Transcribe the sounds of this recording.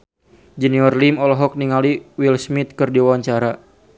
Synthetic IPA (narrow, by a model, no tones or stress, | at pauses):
d͡ʒəniɔrlimɔlɔɦɔk̚niŋaliwilsmit̪̚kɨrdiwawaɲt͡ʃaɾa